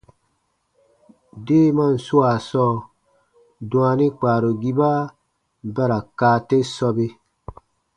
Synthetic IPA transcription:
deː˦ma˦˨n̩˨su˦a˨sɔː˦˨ | dũ˨a˧nĩ˦k͡pa˨ɾo˨ɡi˦ba˦ | ba˦ɾa˨kaː˦˨te˦sɔ˧be˦

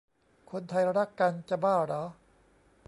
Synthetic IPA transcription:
kʰo˧nt̪ʰa˧jɾa˦˥˩kːa˧nt͡ɕa˧˨baː˥˩ɾa˨˦

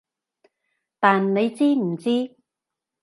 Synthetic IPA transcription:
t̪aː˨nne˨˧jt͡siː˥m̩˨˩t͡siː˥

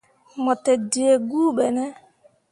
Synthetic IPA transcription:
mɔ˨tɛ˨d͡ʒe˨e˨ɡuː˦ɓɛ˨nɛ˦

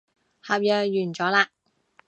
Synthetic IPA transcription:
ha˨˧p̚jœː˨˧jyː˨˩nt͡ʃɔː˨˥laː˧

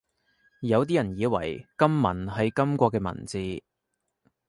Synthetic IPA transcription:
jɐ˨˧wt̪̬iː˥jɐ˨˩njiː˨˧wɐ̰˨˩jkɐ˥mːɐ̰˨˩nɦɐ˨jkɐ˥mkʷɔː˧kːɛː˧mɐ̰˨˩nt͡siː˨˧

